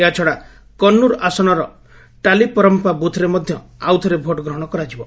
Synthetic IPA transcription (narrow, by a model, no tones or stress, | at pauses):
at͡ʃʰɔɽa | kɔnːuɾasɔɽ̃ɔɾɔ | ʈalipɔɾɔmpabut̪ʰɾemɔd̪ʱjɔ | awt̪ʰɔɾebʱoʈɡɾɔɦɽ̃ɔkɔɾad͡ʒibɔ